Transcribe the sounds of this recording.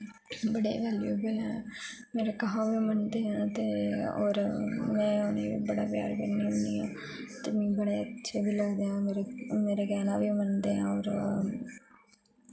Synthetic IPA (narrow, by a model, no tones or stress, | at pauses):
bəɽeʋɛːlijoːɡela | meːɾekəɦãʋimənd̪eːɦãːt̪eɔːɾmɛ̃ːʊneḭbəɽaːpja̰ːɾbənːiʊniːɦãː | t̪ɪmĩːbəɽeətːʃʰeːbʱiːləɡd̪eːɦãːeːɾmeːɾeɡɛːnaːbʱimənd̪eːã̰ːɔːɾ